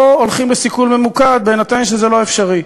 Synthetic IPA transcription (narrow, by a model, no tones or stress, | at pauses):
oolχimbesikulme̞mukad̪̚bejnat̪ajmʃezɛlo̞efʃaʁi